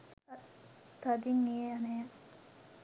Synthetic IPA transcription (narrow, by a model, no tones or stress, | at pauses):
t̪ʰad̪iŋeːanɛː